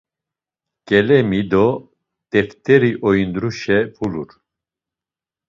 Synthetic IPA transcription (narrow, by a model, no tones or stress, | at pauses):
kʼɛlɛmid̪ɔ | t̪ʼɛft̪ʰʼɛɾiʔɔjind̪ɾuʃɛpʰuluɾ